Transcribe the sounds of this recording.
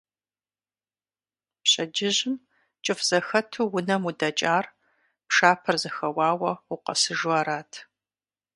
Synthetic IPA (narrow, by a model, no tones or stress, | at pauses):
pɕʼɐd͡ʒɪʑɪm | t͡ʃʼɨfz̥ɐxɐtʰuːwʊnɐmudɐt͡ʃʼaːr | pʂaːpʰɐrzɐxɐwɑːwɐʊqɐ̰sɨʒwaːɾaːtʰ